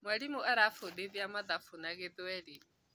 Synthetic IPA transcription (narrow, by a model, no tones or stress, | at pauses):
mwaɺimuʔaɾafodeðiamad̪afunakɛd̪ɛɺi